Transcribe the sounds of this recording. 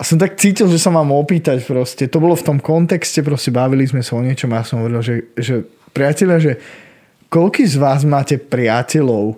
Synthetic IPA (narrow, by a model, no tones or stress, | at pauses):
asɔmt̪ak̚t͡siːcilˠʒɛsamaːmɔpiːt̪acpɾɔscɛt̪ɔbɔlɔft̪ɔmkɔnt̪ɛkscɛpɾɔscɛbaʋilizmɛsaɔɲɪɛt͡ʃɔmajasɔmɦɔʋɔɾilʒɛʒɛ | pɾɪacɛʎɪaʒɛ | kɔlkiːzʋaːzmaːcɛpɾɪacɛlɔʊ